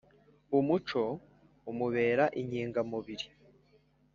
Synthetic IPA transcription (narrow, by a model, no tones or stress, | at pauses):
umut͡ʃo̞ | umuβe̞ːɾaʔiɲiːŋɡamuβiɾi